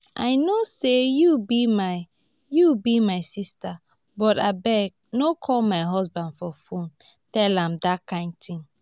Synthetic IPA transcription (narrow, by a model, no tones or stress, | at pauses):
ʔa̰ɪnosejubimaɪ | jubimaɪsista | bɔta̰bɛɡ̚ | nokʰɔlmaɪɦɔsbãndfɔfõn | tɛlãmdakãɪ̃ntʰĩŋ